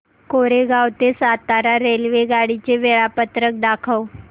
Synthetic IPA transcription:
koɾeɡawt̪esat̪aɾaɾelʋeɡaɽit͡ɕeʋeɭapət̪ɾək̚d̪akʰəw

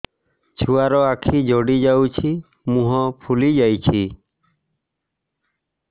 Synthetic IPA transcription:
t͡ʃʰuaɾɔakʰid͡ʒɔɽid͡ʒawt͡ʃʰi | mũɦɔpʰulid͡ʒajt͡ʃʰi

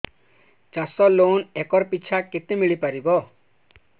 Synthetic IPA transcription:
t͡ɕasɔlonɛkɔɾpiːt͡ɕʰaket̪imiɭipaɾibɔ

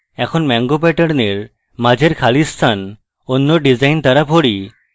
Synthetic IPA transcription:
ɛkʰonmɛŋɡopɛʈəɽneɾ | mad͡ʑʱeɾkʰalist̪ʰan | onːoɖid͡ʑajnt̪aɾapʰoɽi

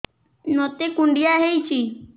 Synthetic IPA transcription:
not̪ekuɳɖijaɦejt͡ʃʰi

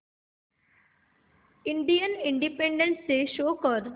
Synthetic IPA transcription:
ɪ̃ɳɖijənɪ̃ɳɖipẽɳɖẽnsːeʃoːkəɾ

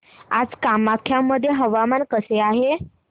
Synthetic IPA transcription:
a̰d͡zkamakʰːjamːəd̪ʱːjeɦəʋamankəseaɦe

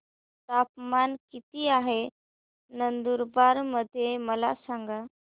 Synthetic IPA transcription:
t̪apmankit̪iːaɦe | nənd̪uɾbaɾməd̪ʱːjeməla̰saŋɡa

